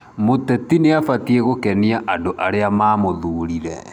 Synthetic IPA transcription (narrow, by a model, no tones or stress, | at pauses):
motɛtineafatieɣokɛniaʔandoʔaɾeamaːmoðuːɾiɾɛ̰